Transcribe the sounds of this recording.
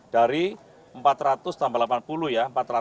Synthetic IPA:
d̥aɾi | əmpat̪ɾat̪ʊst̪ambalapanpuluhjaəmpat̪ra

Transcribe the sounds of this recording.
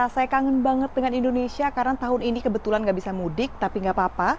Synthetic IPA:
asajkaŋənbaŋət̪̚dəŋanindonesiakaɾaŋt̪aɦʊninikəbət̪ulanɡaʔbisamudɪk̚t̪apiŋɡaʔpapa

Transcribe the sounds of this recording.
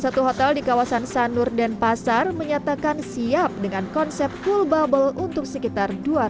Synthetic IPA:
sat̪uɦot̪ɛldikawasansanʊrdɛnpasarməɲat̪akansiap̚dəŋankɔnsɛp̚t̪̚fulbabəlunt̪ʊk̚səkit̪arduar

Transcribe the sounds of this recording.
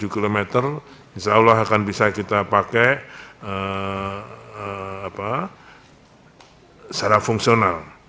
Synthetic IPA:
ukilomet̪ər | isaulaɦakanbisakit̪apakɛə | əːpa | t͡ʃaɾafuŋsional

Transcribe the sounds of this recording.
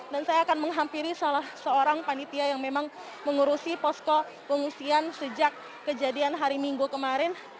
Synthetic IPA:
dansajaːkanməŋɦampiɾisalahsəoɾaŋpanit̪iajaŋmemaŋ | məŋuɾusipɔskɔ | pəŋusiansəd͡ʒakː | əd͡ʒadianɦaɾimiŋɡukəmaɾɪn

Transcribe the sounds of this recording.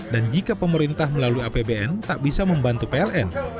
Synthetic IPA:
dand͡ʒikapəməɾint̪ahməlaluiapebeɛnt̪aʔbisaməmbant̪upeɛlɛn

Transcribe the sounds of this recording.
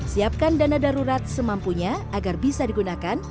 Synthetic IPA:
siap̚kandanadaɾuɾat̪̚səmampuɲaːɡarbisadiɡunakan

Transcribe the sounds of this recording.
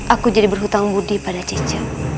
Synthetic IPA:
ʔakud͡ʒadibərɦut̪aŋbudipadat͡ʃit͡ʃa

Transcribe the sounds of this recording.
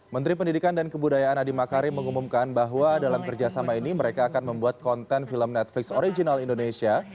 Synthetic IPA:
mənt̪ɾipəndidikandankəbudajaʔanadimakaɾiməŋumumkanbaɦwadalamkərd͡ʒasamainiməɾekaːkanməmbuat̪̚kɔnt̪ɛnfiləmnɛt̪̚flɪksoɾid͡ʒinalindonesia

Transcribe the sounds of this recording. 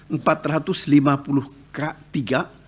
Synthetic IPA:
m̩pat̪rat̪ʊslimapuluh | kat̪iɡa

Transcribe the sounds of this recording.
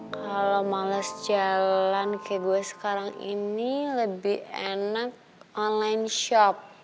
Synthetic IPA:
kalomalasd͡ʒallankaaɡuɛsə̥kaɾaŋḭniləbihenak̚ɔnlajnʃɔp̚

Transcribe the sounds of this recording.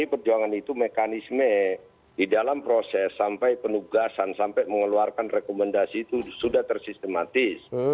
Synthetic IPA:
ipərd͡ʒuaŋanit̪umekanismə | didalampɾosɛsːampajpənuɡasansampajməŋəluarkanrekomɛndasiːt̪usudaht̪ərsist̪əmat̪ɪs

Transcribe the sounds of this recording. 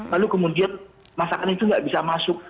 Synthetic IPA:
lalukəmudian | masakanit̪uŋɡaʔbisamasʊk̚

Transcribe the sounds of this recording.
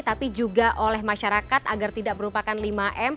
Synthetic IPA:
t̪apid͡ʒuɡaʔolɛɦmaʃaɾakat̪aɡart̪idak̚məɾupakanlimaʔɛm

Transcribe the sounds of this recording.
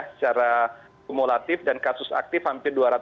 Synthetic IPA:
sə̥t͡ʃaɾa | molat̪ɪfdankasʊsa̰k̚t̪ɪfhampɪrduaɾat̪

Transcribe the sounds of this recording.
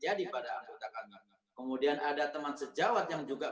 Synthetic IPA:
d͡ʒadipadaaŋɡot̪akana | kəmudianadat̪əmansəd͡ʒawat̪̚jaŋd͡ʒuɡa

